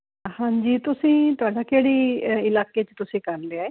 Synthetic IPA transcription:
hãːɲd͡ʒiːt̪ʊsĩːt̪ʊaːɖaːkeːɽiːɪlaːkeːt͡ʃt̪ʊsĩːkəɾleaːeː

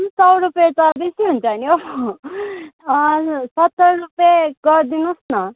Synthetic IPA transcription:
sʌwɾupjet̪ʌbisiɦunt͡sʰʌnjo | sʌt̪ːʌɾrupjeɡʌɾd̪inusnʌ

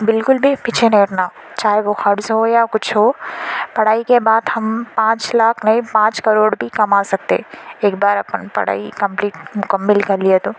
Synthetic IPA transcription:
bɪlkʊlbʱipɪt͡ʃʰenẽːʈnaːo | t͡ʃaːɦeʋoxɐɾzɦojakʊt͡ʃʰɦopɐɽ̤aːikebaːd̪ɦɐmpãːt͡ʃlaːkʰnɐĩpãːt͡ʃkɐɾoːɽbʱikɐmaːsɐk̚t̪eeːkbaːɾɐpənpɐ̰ɽ̤a̰ːḭkɐ̃mpliːʈmʊkəmːɪlkɐɾliet̪oː

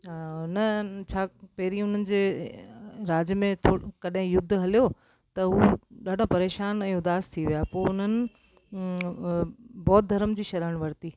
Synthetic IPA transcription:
ʊnət͡ɕʰaːpɐɦɪɾiʊn̤ənɪ̆d͡ʑeː | ɾaːd͡ʑjmẽt̪ʰoːkɐɗɦɪ̃jʊd̪ʱːɦɐlijo | t̪ɐɦuːɗaːɖʱopɐɾeːʃaːnɛ̃ːũʊd̪aːst̪ʰiʋijaːpoːʊn̤ənɪ̆ | bɔːt̪̚d̪ʱɐɾəmd͡ʑiːʃɐɾəəɽ̃ʋɐɾt̪iː

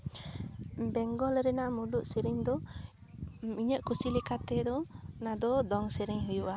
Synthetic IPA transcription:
bɛŋɡɔlɾɛnamuɖuʔsiɾiɲd̪ɔ | iɲəʔkusilɛkat̪ɛd̪ɔnad̪ɔd̪ɔŋsiɾiɲɦujuʔa

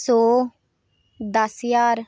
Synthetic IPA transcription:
soː | d̪əsjaːɾ

